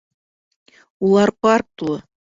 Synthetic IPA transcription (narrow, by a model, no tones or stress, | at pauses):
ulˠɑrpɑrt̪lˠɤ̆